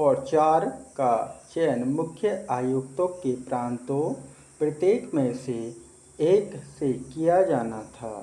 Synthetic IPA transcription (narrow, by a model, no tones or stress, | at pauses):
ɔːɾt͡ʃaːɾkat͡ʃɛːnmʊkʰjəaːjʊkt̪õkepɾãːnt̪o | pɾət̪eːkmẽse | eːksekijad͡ʒaːnat̪ʰa̰ː